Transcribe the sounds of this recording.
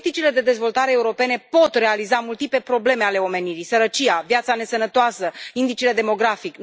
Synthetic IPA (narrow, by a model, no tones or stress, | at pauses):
t̪it͡ʃile̞d̪e̞d̪e̞zvo̞lt̪aɾeːuɾo̞pe̞ne̞po̞t̪re̞alizamult̪ipe̞pɾo̞ble̞meale̞o̞me̞niɾisəɾət͡ʃijavjat̪sane̞sənət̪oasəind̪it͡ʃile̞d̪e̞mo̞ɡɾafik